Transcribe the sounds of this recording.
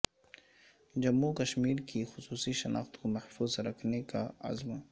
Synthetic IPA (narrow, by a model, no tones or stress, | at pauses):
d͡ʒamukaʃmɪɾkʰɪxʊsuːsiʃanʔɑ̰χt̪kʊmaħfuzɾaknɪkaa̰zma